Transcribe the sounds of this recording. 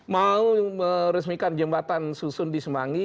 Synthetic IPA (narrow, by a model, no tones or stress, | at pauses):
mauməɾəsmikand͡ʒəmbat̪ansusʊndisəmaŋi